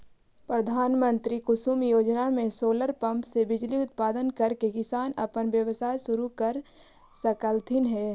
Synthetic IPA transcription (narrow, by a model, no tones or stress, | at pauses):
pɾəd̪ʱaːnmə̃nt̪ɾikʊsuːmjoːd͡ʒnamẽsoːləɾpɐ̃mpsebɪd͡ʒliʊt̪̚paːd̪ənkɐɾkekɪsaːnɐ̰pənʋjəʋsaːjsʊɾukəɾ | səkəlt̪ʰɪnɦɛː